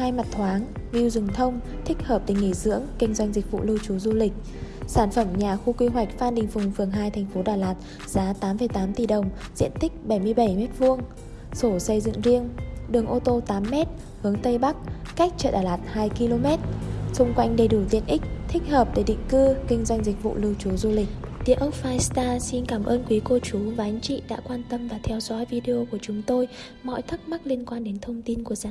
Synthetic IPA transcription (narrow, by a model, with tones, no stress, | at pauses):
haː˧jma˨˩t̚t̪ʰwaː˨˦ŋvi˧wzɨ˨˩ŋt̪ʰə˧wŋ͡m | t̪ʰï˦˥k̟̚həː˨˩p̚t̪ï˨˩ŋ̟ːi˧˩zɨ̰˧˥əŋkï˧ŋ̟zwa˧jŋ̟zï˨˩k̟̚vṵ˧˨lɨ˧wt͡ɕu˨˦zu˧lï˨˩k̟̚ | saː˧˩nfə˧˩mɲaː˨˩xu˧kwi˧ɦwa˨˩jk̟̚faː˧nɗï˨˩ŋ̟fʊ˨˩ŋ͡mfɨ˨˩əŋɦaː˧jt̪ʰɛ˨˩jŋ̟fo˨˦ɗaː˧˩laː˨˩t̚ | z̥aː˨˦t̪aː˨˦mfə˧˨˩jt̪aː˨˦mt̪i˨˩ɗə˨˩wŋ͡mzḭ˧˥ənt̪ʰï˦˥k̟̚ɓə˧˩jmɨ˧əjɓə˧˩jmɛ˦˥t̚vu˧əŋ | so˧˩sə˧jzɨ̰˧˨ŋzi˧əŋɗɨ˨˩əŋʔo˧t̪o˧t̪aː˨˦mːɛ˦˥t̚ | hɨ˨˦əŋt̪ə˧jɓa˦˥k̚ka˦˥k̚t͡ɕə̰ː˧˨tɗaː˧˩laː˨˩t̚haː˧jki˧lo˧mɛ˦˥t̚sʊ˧ŋ͡mkwa˧jŋ̟ɗə˧˩jɗu˧˩t̪ḭ˧˨ənʔï˦˥k̟̚t̪ʰï˦˥k̟̚həː˨˩p̚ɗe˧˩ɗḭ˧˨ŋ̟kɨ˧kï˧ŋ̟zwa˧jŋ̟zï˨˩k̟̚vṵ˧˨lɨ˧wt͡ɕu˨˦zu˧lï˨˩k̟̚t̪i˨˧˨əʔə˦˥wk͡p̚faː˧jst̪aː˧si˧nkaː˧˩mʔəː˧nkwi˨˦ko˧t͡ɕu˨˦vaː˨˩ʔa˨˦ŋ̟t͡ɕḭ˧˨ɗa̰ː˧˥kwaː˧nt̪ə˧mvaː˨˩t̪ʰɛ˧wzɔ̰˧˥jvi˧ɗi˧ʔo˧ku˧˩ət͡ɕʊ˨˦ŋ͡mt̪o˧j | mɔ̰˧˨jt̪ʰɨ˦˥k̚ma˦˥t̚li˧ənkwaː˧nɗe˨˦nt̪ʰə˧wŋ͡mt̪i˧nku˧˩əzaː˨˦